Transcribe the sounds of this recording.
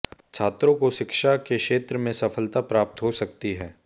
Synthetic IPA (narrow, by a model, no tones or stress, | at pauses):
t͡ʃʰaːt̪ɾõkoʃɪkʃakeʃeːt̪ɾəmẽsɐfəlt̪apɾaːp̚t̪ɦosɐkt̪iɦɛː